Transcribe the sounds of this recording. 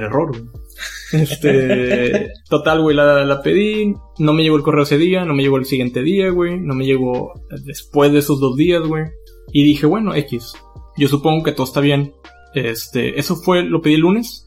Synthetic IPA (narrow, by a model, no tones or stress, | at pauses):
elero̞ɾɣweest̪e | t̪o̞t̪alɣwejlalape̞ði | no̞me̞ʝeɣoelkoreoese̞ðiano̞me̞ʝeɣoelsiɣje̞nt̪e̞ðiaɣweno̞me̞ʝeɣ̞o̞ðespwe̞zðeesozðo̞zðiazɣwe | iðixeβwe̞no̞ʔe̞kisɟ͡ʝo̞s̬upo̞ŋɡo̞ket̪ooest̪aβje̞n | est̪ḛʔe̞sofwe̞lo̞pe̞ðilune̞s